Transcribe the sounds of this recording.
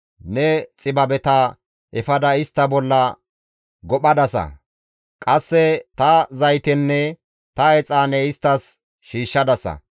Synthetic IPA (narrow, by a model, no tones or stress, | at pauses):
nɛt͡sʼɪbɐbɛt̪ɐ | ʔɛfɐd̪ɐɪst̪ːɐbɔlːɐ | ɡɔɓɐd̪ɐsɐ̰ | kʼɐsːɛt̪ɐzɐjt̪ɛnːɛ | t̪ɐɛt͡sʼaːnɛɪst̪ːɐs | ʃiːʃːɐd̪ɐsɐ̰